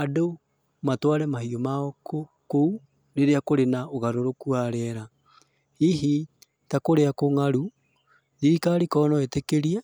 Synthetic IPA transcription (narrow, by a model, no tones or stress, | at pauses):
ado | matwaɾɛmaɦiomaɔko | kou | neɾeakoɾenaoɣaɾoɾokuaɾɛɾa | iɦi | takoɾeakoŋaɾu | ðiɾikaɾikɔnɔetekeɾiɛ